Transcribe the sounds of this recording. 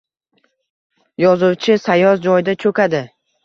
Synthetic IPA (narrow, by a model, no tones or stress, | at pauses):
jɒzuwt͡ʃʰɪsajɒzd͡ʒɒjd̪at͡ʃʰɵkʲad̪ɪ